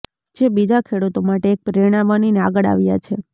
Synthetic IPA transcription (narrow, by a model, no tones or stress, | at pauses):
d͡ʒebid͡ʒakʰeɽut̪omaʈeːk̚pɾeɽ̃aʋanineaɡəɭa̰ʋja̰t͡ʃʰe